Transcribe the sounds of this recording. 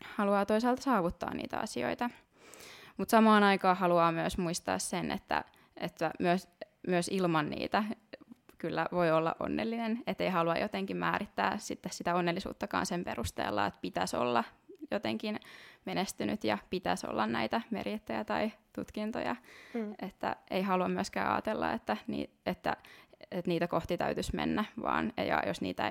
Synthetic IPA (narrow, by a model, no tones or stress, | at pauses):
hɑluɑːt̪oisɑːlt̪ɑsɑːʋut̪ːɑ̰ːnnḭːt̪æ̰ɑ̰sio̰it̪ɑ | mut̪sɑmɑːnɑikɑːhɑluɑːmyøsmuist̪ɑ̰ːssenʔḛt̪ːæ̰ | ʔet̪ːæmyøs | myøsilmɑnnḭːt̪æ | kylːæʋoiolːɑ̰ʔo̰nːelːinenet̪ːeihɑluɑjot̪eŋkimmæːɾit̪ːæːsit̪ːessit̪æonːelːisṵːt̪ːɑkɑ̰ːnsempeɾust̪ḛːlːɑ̰et̪pit̪æso̰lːɑjot̪eŋkinmenest̪ynyt̪jɑpit̪æso̰lːɑnnæit̪æmerjet̪ːæjæt̪ɑit̪ut̪kint̪o̰jɑet̪ːæ̰eiɦhɑluɑmyøskæ̰ːʔɑ̰ːt̪elːɑ̰et̪ːænḭː | et̪ːæ̰et̪niːt̪ækoht̪it̪æ̰yt̪ysmḛnːæʋɑ̰ːnjɑ̰josnḭːt̪æ